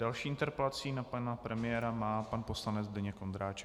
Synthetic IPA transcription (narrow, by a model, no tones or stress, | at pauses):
d̥alʃiːʔɪnt̪ɛɾpɛlat͡siːnapanapɾɛmɪjɛːɾamaːpanpo̞slanɛd͡zdɛɲɛkond̪ɾaːt͡ʃɛk